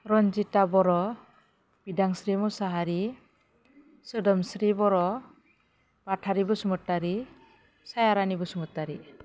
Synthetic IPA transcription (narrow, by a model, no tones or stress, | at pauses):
ɾɔnd͡ʒitabɔɾɔ | b̥idaŋsɾimusaɦaɾi | sɯdɔmsɾibɔɾɔ | b̥atʰaɾibɯsumɯtːaɾi | sajaɾanibɯsumɯtːaɾi